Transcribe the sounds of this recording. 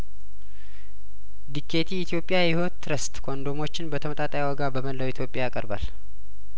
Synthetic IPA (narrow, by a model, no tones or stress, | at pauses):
d̪ikʰːe̞t̪ʰiːt̪ʰijo̞pʼɪjajɪhot̪ːɾəst̪kʰond̪o̞mo̞t͡ʃːɪnbət̪ʰəmət̪ʼat̪ʼajawɔɡabəməlːəwit̪jo̞pʼjajakʼə̰ɾba̰l